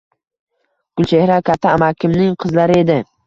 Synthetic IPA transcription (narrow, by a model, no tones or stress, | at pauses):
ɡ̥ʊlˠt͡ʃʰehɾakʲʰat̪ʰːaːmakʲʰɪmnɪŋqʰɨzlaɾɪe̞d̪ɪ